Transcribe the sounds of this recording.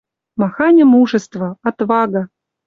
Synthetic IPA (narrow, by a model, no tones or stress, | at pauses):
mɑxɑnʲə̆muʐə̆st̪və̆ɑt̪vɑɡə̆